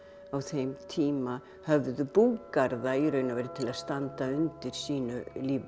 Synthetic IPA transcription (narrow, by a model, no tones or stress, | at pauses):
awθejmt̪ʰiːma | hœvðʏpuːkaɾðaiɾœɥnavɛːɾɪt̪ʰɪlaðst̪ant̪aʏnt̪ɪɾ̥siːnʏ̰liːv